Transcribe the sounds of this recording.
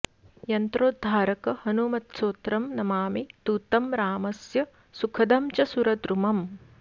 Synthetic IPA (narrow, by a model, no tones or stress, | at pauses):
jɐnt̪ɾoːd̪ʱːaːɾɐkɐhɐnumɐt̪soːt̪ɾɐmnɐmaːmit̪uːt̪ɐmɾaːmɐsjɐ | sukʰɐd̪ɐmt͡ʃɐsuɾɐd̪ɾumɐm